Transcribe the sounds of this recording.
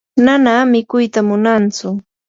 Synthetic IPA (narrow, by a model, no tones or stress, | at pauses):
nanamɪkʊjt̪amʊnant͡sʊ